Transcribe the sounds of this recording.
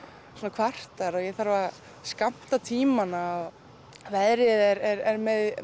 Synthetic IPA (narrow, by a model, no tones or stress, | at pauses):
sɔːnakʰvar̥t̪aɾɔjɛθaɾva | skam̥t̪at̪ʰiːmanaɔɣ | vɛðɾɪðɛɾɛɾɛɾmɛð